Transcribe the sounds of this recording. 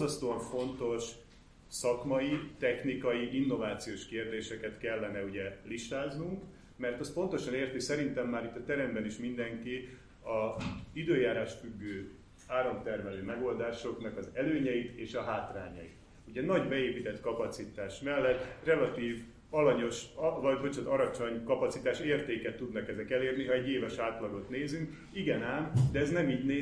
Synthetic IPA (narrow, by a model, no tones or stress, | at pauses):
zɒst̪oːɒɱfo̞nt̪o̞ʃ | sɒkmɒjit̪ɛxnikɒjiʔinːo̞vaːt̪sijoːʃkeːrd̪eːʃɛkɛt̪kɛlːɛnɛuɟɛliʃt̪aːznuŋk | mɛrt̪ɛst̪̚po̞nt̪o̞ʃɒneːrt̪isɛɾint̪ɛmːaːɾit̪ːɒt̪ɛɾɛmbɛniʃmind̪ɛŋki | ɒzid̪øːjaːɾaːʃtfyɡːøː | aːɾo̞mt̪ɛrmɛløːmɛɡo̞ld̪aːʃo̞knɒkɒzɛløːɲɛit̪eːʃɒɦaːt̪ra̰ːɲɒ̰jḭt̪ | uɟɛnɒɟbɛeːpit̪ɛt̪kɒpɒt̪sit̪aːʃmɛlːɛt̪ːrɛlɒt̪iːv | ɒlɒɲo̞ʃvɒɟbot͡ʃot̪ɒɾɒt͡ʃo̞ɲkɒpɒtsit̪aːʃeːrt̪eːkɛt̪ːud̪nɒkɛzɛkɛleːrniɦɒɛɟːeːvɛʃaːt̪lɒɡo̞t̪neːzyŋk | iɡɛnaːnd̪ɛɛznɛmiːɟneː